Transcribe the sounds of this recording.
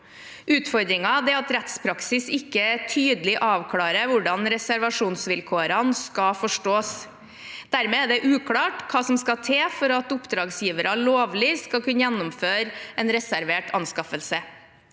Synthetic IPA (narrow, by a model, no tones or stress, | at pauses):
ʉːt̪fɔɾd̪ɾɪŋɑd̪ɛɑt̪ɾɛt̪spʰɾɑksɪsɪkːət̪ʰyːd̪əlɪʔɑːʋkʰlɑːɾəʋʊɖɑnɾɛsæɾʋɑʂuːnsʋɪlkʰoːɾɑnskɑfɔʂʈoːs | d̪̥æɾmeːæɖɛʔʉːkʰlɑːʈkʰɑːsɔmskɑt̪ʰeːfɔɾɑt̪ʊpd̪ɾɑːɡsjiːʋəɾɑloːʋlɪskɑlkʉnːəjɛnːʊmføːɾɛnɾɛsæɾʋeːʈʰɑnskɑfəlsə